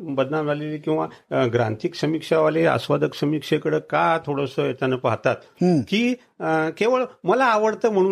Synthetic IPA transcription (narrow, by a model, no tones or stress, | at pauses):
bəd̪namd͡zaleliːkĩw̃ʋaɡɾa̰nt̪iːksəmikʂaʋalea̰sʋad̪ʱəksəmikʂekəɽəːkat̪ʰoɽəsojet̪anəpaɦt̪at̪kiː | keʋəɭməlaːʋəɽt̪əːm̤əɽ̃u